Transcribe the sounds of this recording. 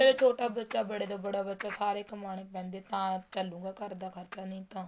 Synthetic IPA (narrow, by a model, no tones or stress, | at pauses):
et͡ʃʰoːʈaːbətːʃaːbəɽeːd̪aːbəɽaːbətːʃaːsaːɾekmaːɳ̃eːpɛ̃ːnd̪eːt̪ãːt͡ʃəlũːɡaːkəɾd̪aːkʰəɾt͡ʃaːnĩːt̪ãː